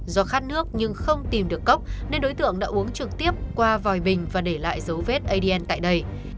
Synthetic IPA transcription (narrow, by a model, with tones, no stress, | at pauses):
zɔ˨˦xaː˦˥t̚nɨ˦˥ək̚ɲɨ˧ŋxə˧wŋ͡mt̪i˨˩mɗɨ˨˩əkːə˦˥wk͡p̚ne˧nɗo˨˦jt̪ɨ̰˧˨əŋɗa̰ː˧˥ʔu˨˦əŋt͡ɕɨ˨˩k̚t̪i˦˥əp̚kwaː˧vɔ˨˩jɓï˨˩ŋ̟vaː˨˩ɗe˧˩la̰ː˧˨jzə˨˦wve˦˥t̚ʔə˧jɗi˧ʔɛ˧nt̪a̰ː˧˨jɗə˧j